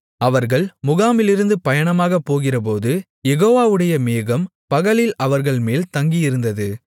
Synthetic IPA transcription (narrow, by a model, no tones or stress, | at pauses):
ɐʋɐɾɣɐɭmʊɣaːmɪlɪɾɯnd̪ɯpɐjɐɳɐmaːɣɐpːoːɣɪrɐp̬oːðɯ | jɛɣoːʋaːɯɽɐjɐmeːɣɐmpɐɣɐɭɪlɐʋɐɾɣɐɭmeːlt̪ɐŋɡijɪɾɯnd̪ɐðɯ